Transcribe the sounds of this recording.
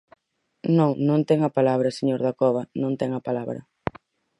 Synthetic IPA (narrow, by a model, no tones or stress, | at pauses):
nõŋnõŋt̪ɛŋɐpalaβɾɐseɲoɾðakɔβɐnõnt̪ɛŋɐpalaβɾɐ̰